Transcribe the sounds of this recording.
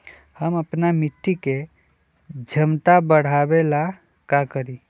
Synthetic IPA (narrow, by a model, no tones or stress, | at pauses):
həməpnamɪʈ̪ːike | d͡ʒʱəmt̪abəɽ̤abela | kakəɾi